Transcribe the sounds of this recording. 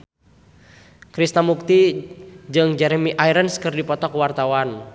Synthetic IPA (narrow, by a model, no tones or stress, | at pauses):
kɾist̪amuk̚t̪id͡ʒɨŋd͡ʒɛɾɛmiʔaiɾənskɨrdipɔt̪ɔkwart̪awan